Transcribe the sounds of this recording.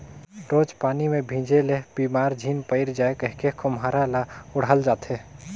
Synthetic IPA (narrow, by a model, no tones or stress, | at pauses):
ɾoːd͡ʒpaːnimẽbʱĩːd͡ʒeleb̥iːmaːɾd͡ʒʱiːnpəɪɾd͡ʒaːekəɦkekʰomɦaːɾalaʊɽ̤əld͡ʒaːt̪ɦe